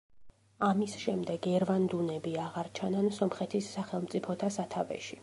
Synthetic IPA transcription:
amisʃɛmd̪ɛɡɛɾvand̪unɛbiaʁaɾt͡ʃʰanansɔmχɛt̪ʰisːaχɛlˠmt̪sʼipʰɔt̪ʰasat̪ʰavɛ̰ʃi

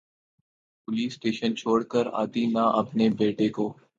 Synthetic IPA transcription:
pʊliːsːʈeːʃənt͡ʃʰoːɽkəɾa̰ːt̪inaʔɐpnebeːʈekoː

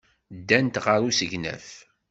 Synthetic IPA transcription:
d̪ːænt̪ʁəɾusəʝnæ̰θ

